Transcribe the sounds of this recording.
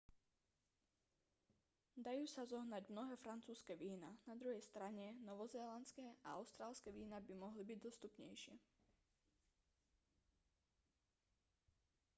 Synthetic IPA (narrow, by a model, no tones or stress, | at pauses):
d̪ajuːsazɔɦnaɟmnɔɦɛːfɾant͡suːskɛʋiːnanad̪ɾuɦɛjst̪ɾaɲɛnɔʋɔzɛːlant͡skɛːʔa̰a̰ʊst̪ɾaːlskɛʋiːnabimɔɦlibiɟd̪ɔst̪upɲɛ̰jʃɪɛ